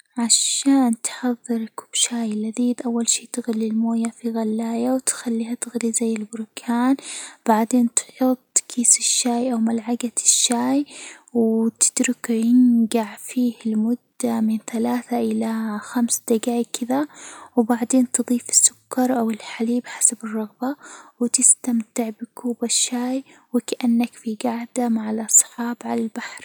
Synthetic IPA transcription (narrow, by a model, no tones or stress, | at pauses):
ʕaʃaːnt̪ħɑðˤːɨɾkʊ̥b̥ʃaːjɪlːaðiːd̪ʔawːalʃiːt̪ɪɣlilmoːjafiɣalːaːjawt̪xalːiːhat̪ɪɣlizajːɪlbʊɾkʰaːnb̥aʕd̪eːnt̪ħʊt̪ˤːkʰiːsɪʃːaːjʔawmalʕaɡatʃːaːjwt̪ɪ̥d̪̥ɾʊkjɪnɡaʕfiːhɪlmʊd̪ːamɪnθalaːθaʔɪlaxamsd̪̥aɡaːjkʰːɪðawbaʕd̪eːnt̪ɨðˤiːfɪ̥sːʊ̥kʰːɑɾˤʔawɪlħaliːbħḁsabɨrˤːɑɣbawɪt̪ɪst̪amt̪ɪʕbɪkʰuːbaʃːaːjwɪkaʔanːakfiɡaʕd̪amaʕalʔɑsˤħɑːbʕalalbaħɾ